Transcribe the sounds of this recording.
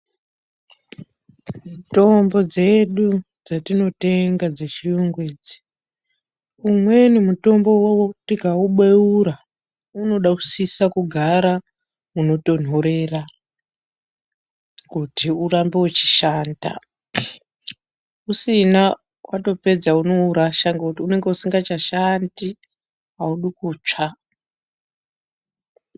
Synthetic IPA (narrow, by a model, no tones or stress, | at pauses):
muto̞mbo̞d͡ze̞ɗu | d͡zatino̞te̞ŋɡad͡zet͡ʃijuŋɡweːd͡zi̥ | umwe̞nimuto̞mbo̞wawotikauɓweuɾa | uno̞ɗaku̥sisakuɡʱaɾa | uno̞to̞n̤o̞ɾera | kutiurambe̞wet͡ʃi̥ʃaːnda̰ | usina | wʔato̞pe̞d͡zauno̞uɾaʃaŋɡekutiune̞ŋɡe̞usiŋɡat͡ʃaʃandi | ɦauɗukuːt͡ʂa